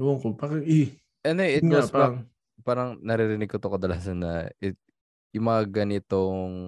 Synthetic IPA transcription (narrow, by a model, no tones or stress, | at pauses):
woŋkopakɛi | ʔɛnd̪oʔɪt̪wɐpa | paːɾɐŋnɐɾɪɾɪnɪɡ̚kot̪okɐd̪ɐlaːsɐnːɐ̰ʔɪt̪ | jʊŋmɐŋɐɡɐnɪt̪oŋ